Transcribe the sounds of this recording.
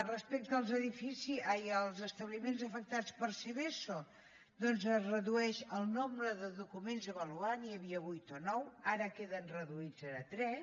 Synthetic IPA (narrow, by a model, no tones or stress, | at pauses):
rəspɛk̚t̪əːlˠzəðifisiajəlˠzəst̪əβlimenzəfək̚t̪at͡spəɾseβeso | d̪ɔnzəzrəðuɛʃəlˠnombɾəðəðukumenzəβəluaniəβiəβujt̪onɔwaɾəkeðənrəðuid͡zəɾət̪ɾɛ